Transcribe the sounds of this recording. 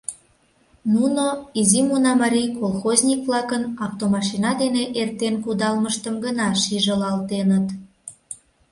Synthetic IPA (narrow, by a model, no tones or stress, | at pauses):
nunoizimunɑmɑɾʲijkolˠxozʲnʲikβlɑkənɑft̪omɑʃinɑd̪eneʔert̪enkud̪ɑlməʃt̪əmɡənɑʃiʒəlɑlt̪enət̪